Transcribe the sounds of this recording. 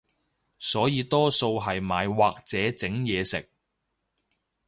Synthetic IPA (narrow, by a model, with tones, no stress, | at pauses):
sɔː˨˥jiː˨˧t̪ɔː˥so˧wɦɐ˨jmaː˨˧jwaː˨k̚t͡sɛː˨˥t͡sɪ˨˥ŋjɛː˨˧sɪ˨k̚